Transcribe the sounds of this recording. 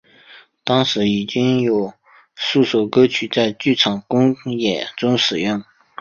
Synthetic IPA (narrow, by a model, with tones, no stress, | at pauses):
t̪ɑ˥ŋʂɻ̩˧˥i˨˩t͡ɕi˥ŋjo˨˩ʊ | su˥˩sɔ˨˩kɤ˥t͡ɕʰy˧˥t͡sa˥˧ɪt͡ɕy˥˩ʈ͡ʂʰɑ˨˩ŋkʊ˥ŋjɛ˨˩nʈ͡ʂʊ˥ŋʂɻ̩˨˩jʊ˥˩ŋ